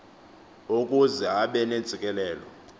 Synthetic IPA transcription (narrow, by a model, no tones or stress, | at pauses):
okʼuzɛaɓɛne̥d͡z̥ʱikʼɛlɛːlɔ̰